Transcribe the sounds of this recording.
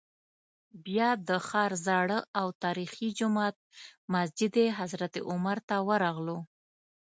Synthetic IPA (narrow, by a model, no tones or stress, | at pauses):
bjɑd̪əxɑɾzɑɽəawt̪ɑɾixid͡ʒʊmɑt̪̚masd͡ʒɪd̪eɦazɾat̪ḛʔʊmaɾt̪awəɾɑɣlo